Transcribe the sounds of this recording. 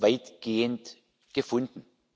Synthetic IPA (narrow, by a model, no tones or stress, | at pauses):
vaɪtɡ̥eːənt | ɡ̥əfʊndn̩